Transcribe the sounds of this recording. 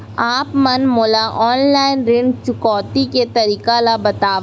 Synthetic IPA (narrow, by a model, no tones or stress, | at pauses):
aːpmɐnmoːlaʔɔːnlaːɪnɾɪɳɖt͡ʃʊkɔːt̪iket̪ɐɾiːkalabɐt̪aːʋ